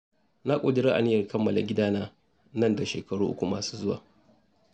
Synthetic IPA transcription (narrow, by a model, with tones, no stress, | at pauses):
na˦kʷʼo˨dɪ˦ɾa˦ʔa̰˨nɪ˦jɐ˨rkɐ˦mːɐ˨la̰˨ɡʲɪ˦daː˦naː˦ | nɐ˦˨nda˨ʃeː˨kɐ˨ɽuː˦ʔʊ̰˦kʷu˨maː˨su̥ː˦zʊ˦wa̰ː˨